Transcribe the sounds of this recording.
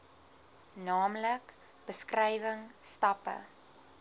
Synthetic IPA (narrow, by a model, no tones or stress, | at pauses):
nɑːmlək | b̥əskrɛjvəŋstɐpə̰